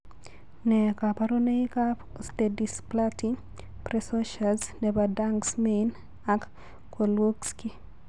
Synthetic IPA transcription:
nɛkapaɾoneika | stedisplati | prɛsoʃalsnɛbadaŋksmen | ak | kːolwokski

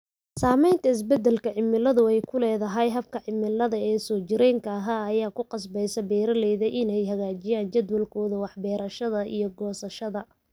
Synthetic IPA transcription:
saːmɛjnt̪ʰɐɪs̬bɛd̪ɛlkɐʕɪmːɪlɐðʊɛjkʰʊlɛːðɐɦɐjɦɐb̚kʰɐʕɪmɪlːɐðɐɛːsɔːt͡ʃɪɾɛŋkʰɐɐɦaːɐjaːkʰʊqɑs̬bɛjsɐbɛːɾɐlɛːðɐʔɪnɛjɦɐɣaːt͡ʃɪjaːnt͡ʃɐd̪wɐlkʰɔːðɐwɑħbɛːɾɐʃɐðɐʔḭjɞɡɔːsɐʃɐðɐ

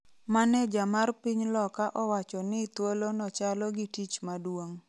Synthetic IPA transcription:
manɛd͡ʒamarpiɲlɔkaʔɔwat͡ʃɔnɪt̪wolonɔt͡ʃalɔɡitit͡ʃmadwoŋ

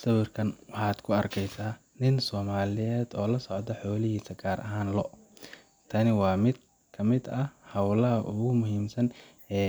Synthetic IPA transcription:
sɐwɪrkʰɐnwɑħɑːd̪̥kʰʊɐrkʰɛjsaː | nɪnsɔːmaːlɪjɛːd̪ɔːlɐsɔʕd̪ɐħɔːlɪɦiːsɐɡaːɾʔɐɦaːnlɔ | t̪ʰɐnɪwɑːmɪd̪̚ | kʰɐmɪd̪ɐhɐwlɐɦɐʔʊɣʊmʊɦiːmsɐn | ɛː

